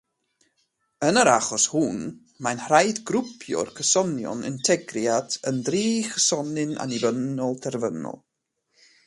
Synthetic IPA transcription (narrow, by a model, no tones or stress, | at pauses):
ənəɾaχɔshun | manhrajdɡɾʊpʰjɔ̰rkʰəsɔnjɔ̰nɪ̰ntʰɛɡrjadəndriːkʰəsɔnɪna̰nivənɔlˠtʰɛrvənɔ̰lˠ